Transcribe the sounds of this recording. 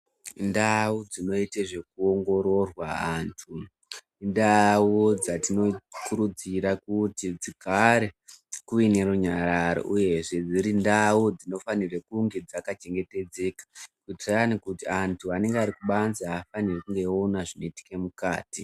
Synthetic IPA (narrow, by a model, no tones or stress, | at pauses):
ndawud͡zino̞iteʐe̞k̚uoŋɡo̞ɾo̞rwaantʰu | ndawud͡zatino̞kuɾud͡ziɾakutid͡zikʰaɾekuine̞ruɲaɾaɾo̰ʔuje̞ʐe̞d͡ziɾindaud͡zino̞fanirekuŋɡe̞d͡zakat͡ʃe̞ŋɡe̞te̞d͡ze̞kḁkuitranikutiantʰuane̞ŋɡeaɾikuɓanzaafanirekuŋɡe̞onaʐino̞iti̥ke̞mukaːti